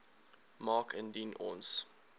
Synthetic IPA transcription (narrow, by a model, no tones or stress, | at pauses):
mɑːkʰə̃ndinʔɔ̰ːns